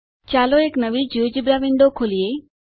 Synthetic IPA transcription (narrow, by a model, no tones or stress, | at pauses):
t͡ɕaːloeːknɐʋid͡ʑuːd͡ʑɪbɾaːʋẽɳɖokʰoːlieː